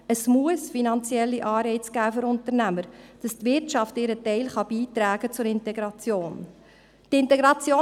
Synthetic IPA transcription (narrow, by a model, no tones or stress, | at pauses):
əsmuəsfinɑnt͡sjɛlːiʔɑːɾbɛɪt͡sɡ̥æːføɾʊntəɾnæməɾd̥ɑstvɪɾtt͡ʃɑftɪɾətɛɪlχɑb̥iːtɾæːɡ̥ət͡sʊɾɪntɛɡɾɑt͡sjoːn | tɪntɛɡɾɑt͡sjoː